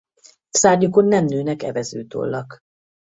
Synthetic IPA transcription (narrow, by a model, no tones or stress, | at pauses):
saːrɟuko̞nːɛmnøːnɛkɛvɛzø̰ːt̪o̰lːɒk